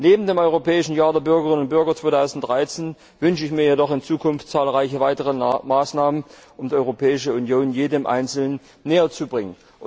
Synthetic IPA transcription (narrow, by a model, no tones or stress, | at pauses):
neːbm̩deːmʔɔʏʁopʰɛːɪʃn̩jaːɐdeːɐbʏɐɡəʁɪnʊnt̚b̥ʏɐɡɐt͡sv̥oːtʰaʊzn̩t̚d̥ʁaɪt͡seːn | vʏnʃəɪçmiːɐjedɔχɪnt͡suːkʰʊnftt͡saːlʁaɪçəvaɪtəʁəmaːsnaːmənʔʊmdiːʔɔʏʁopʰɛːɪʃəunjoːnjeːdəmʔa̰ɪnt͡sl̩nənː | eːɐt͡subʁɪŋən